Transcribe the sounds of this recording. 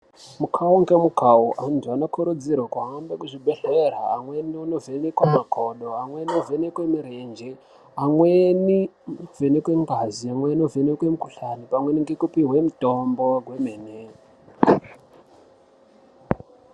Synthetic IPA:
mukʰawuŋɡemukʰauʔantʰuanakʰoɾod͡ziɾwakuɦambekuʐibʱeɬeɾa̰ːŋweniunovenekwamakʰoɗoaŋweniovenekwemiɾend͡ʒe | aŋwenivenekweŋɡaziaŋwenovenekwemukuɬanipaŋweniŋɡekupiɦwemutʼomboɡʱwemene

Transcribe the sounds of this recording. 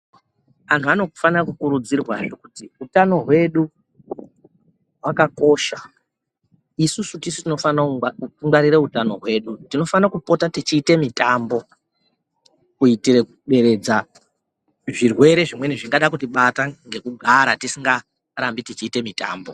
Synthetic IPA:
ʋantʰuano̞ku̥fanirakukuɾud͡zirwaʐokutiutano̞ɦwe̞ɗu | ɦwakako̞ːʃa | isusutisu̥tino̞fanauŋɡwaɾireutano̞ɦwe̞ːɗutino̞fanakupo̞tatit͡ʃiːte̞mitaːmbo̞ | kuitirekuɓe̞ɾe̞d͡za | ʐirwe̞ɾe̞ʐimwe̞niʐiŋɡaɗakutiɓataŋɡe̞kuɡʱaɾatisiŋɡa | rambitit͡ʃiːte̞mita̰ːmbo

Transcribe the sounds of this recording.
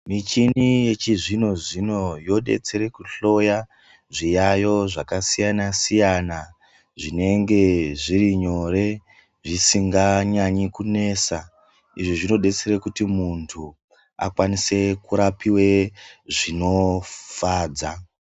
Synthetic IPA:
mit͡ʃinije̞t͡ʃiʐino̞ʐino̞jo̞ɗe̞̰t͡se̞ɾe̞kuɬo̞ja | ʐijajo̞ʐakasijanasijana | ʐine̞ŋɡe̞ʐiriɲo̞ɾe̞ | ʐisiŋɡaɲaɲikune̞ːsa | iʐiʐino̞ɗe̞t͡seɾe̞kutimuntʰu | a̰kwanise̞kuɾapiwe̞ʐino̞faːd͡za

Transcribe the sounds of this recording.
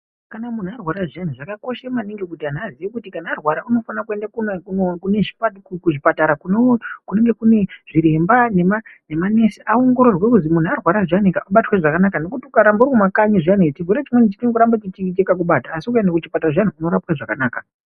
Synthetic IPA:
kanamun̤uarwaɾaʐan̤uʐakako̞ʃemaneŋɡekutianiaziʋikutikanaːrwaɾauno̞fanakue̞ndakunkunokune̞ʐi̥patkkuʐipataɾakunokune̞ŋɡe̞kune̞ʐ̥iɾe̞mbane̞mane̞mane̞seʔaoŋɡo̞ɾo̞rwekuzimun̤uarwaɾaʐianekaʔaɓatweʐakanakano̞kutiukaɾambauɾikumakaɲiʐianet͡ʃivuɾet͡ʃimwenit͡ʃitinokuɾambat͡ʃit͡ʃikit͡ʃekak̬uɓataːsikuendakut͡ʃipataraʐan̤uːno̞ɾapwaʐakanaːka

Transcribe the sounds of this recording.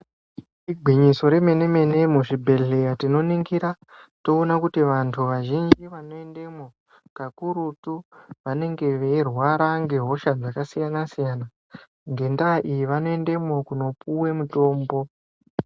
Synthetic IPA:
iɡʱwiɲiso̞ɾe̞me̞ne̞me̞ne̞muʐibʱe̞ɮe̞jatino̞niŋɡiɾa | to̞ːnakutiʋantʰuʋaʒind͡ʒiʋano̞ende̞mo̞ | kakuɾutuʋane̞ŋɡe̞ʋe̞rwaɾaŋɡe̞ɦo̞ʃad͡zakasijanasijana | ŋɡe̞ndaːʔijiʋanoe̞nde̞mo̞kuno̞puwe̞muto̞ːmbo̞

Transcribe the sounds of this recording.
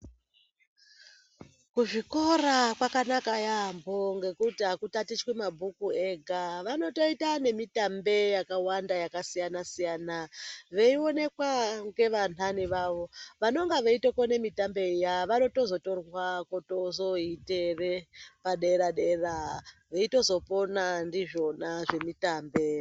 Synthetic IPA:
kuʐiko̞rakwakanakajamboŋɡe̞kutiɦakutatit͡ʃwemabʱukue̞ɡʱaʋano̞to̞itane̞mitambe̞jakawandajakasijanasijanaʋeio̞ne̞kwaŋɡe̞ʋan̤aniʋaʋo̞ʋano̞ŋɡaʋeitokonemitambe̞ijaʋano̞to̞zo̞to̞rwakotozo̞ite̞re̞paɗe̞ɾaɗeraʋeito̞zo̞po̞nandiʐo̞naʐe̞mitaːmbe̞

